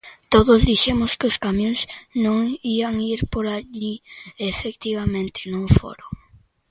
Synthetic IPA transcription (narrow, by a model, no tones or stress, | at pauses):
t̪oðʊzðiʃemʊskɪʊskamjõŋsnõŋiaŋiɾpoɾaʎiefekt̪iβamẽnt̪ɪ̥nõŋfo̰ɾoŋ